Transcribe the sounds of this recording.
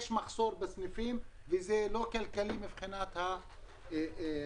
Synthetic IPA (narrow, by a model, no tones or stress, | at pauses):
eʃmaχsoɾbesnifim | vezelokalkalimibχinat̪ha